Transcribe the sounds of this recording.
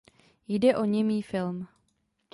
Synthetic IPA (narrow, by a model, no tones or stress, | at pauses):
jdɛʔoɲɛmiːfɪlm